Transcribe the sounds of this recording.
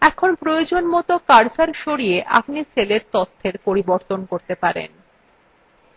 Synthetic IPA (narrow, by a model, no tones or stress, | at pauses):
ɛkʰonpɾojod͡ʑonmɔt̪okaɾsaɾʃoɾieʔa̰pniseleɾt̪ɔt̪ʰːeɾpoɾiboɾt̪onkoɾt̪epaɾḛn